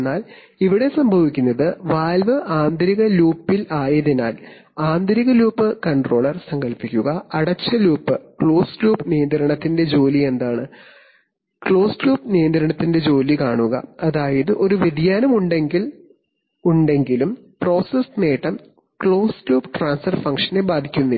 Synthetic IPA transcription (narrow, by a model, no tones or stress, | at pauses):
nːaːl | iʋiɽe̞sɐmbʱɐʋikʲːunːɐðɨʋaːlʋɨʔaːnd̪ɐɾiɣɐluːpːilaːjɐðinaːl | aːnd̪ɐɾiɣɐluːpːɨkɐɳɖro̞ːɭɐrsɐŋɡɐlpikʲːuɣɐɐɽɐt͡ɕːɐluːpːɨkɭo̞ːsluːpnijɐnd̪ɐɾɐɳɐt̪ːinde̞d͡ʑo̞ːlie̞nd̪aːɳɨ | kɭo̞ːsluːpnijɐnd̪ɾɐɳɐt̪ːinde̞d͡ʑo̞ːlikaːɳuɣɐ̰ɐðaːjɐðɨʔo̞ɾuʋidijaːnɐmuɳɖe̞ŋɡil | uɳɖe̞ŋɡilum | pro̞ːsɐsneːʈːɐm | kɭo̞ːsluːpʈraːnsɐrfɐŋkʂɐnebaːd̪ʱikʲːunːi